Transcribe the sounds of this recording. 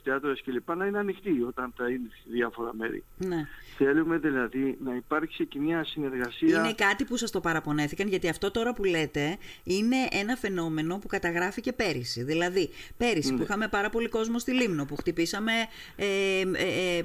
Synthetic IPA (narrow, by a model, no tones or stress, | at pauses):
t̪eɐt̪oɾesce̞lipɐnɐineɐnixt̪io̞t̪ɐnθɐineðjɐfo̞ɾɐ̰me̞̰ɾḭneθe̞lume̞ðilɐðinɐipɐɾç̥sicemɲɐsine̞ɾɣɐsiɐine̞kɐt̪ipusɐst̪o̞pɐɾɐpo̞ne̞θikɐnʝɐt̪iɐft̪o̞t̪o̞ɾɐpule̞t̪e̞ | ine̞ʔe̞nɐfe̞no̞me̞no̞pukɐt̪ɐɣɾɐfice̞pe̞ɾisiðilɐðipe̞ɾisipuixɐme̞pɐɾɐpo̞liko̞zmo̞st̪ilimnopuxt̪ipisɐme̞ | e